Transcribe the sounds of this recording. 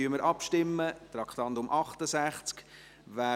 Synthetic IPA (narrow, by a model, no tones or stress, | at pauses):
yəməɾʔɑpʃtɪmːət̪ɾɑkχt̪ɑntʊmʔɑχtəsæχt͡sk | ʋæː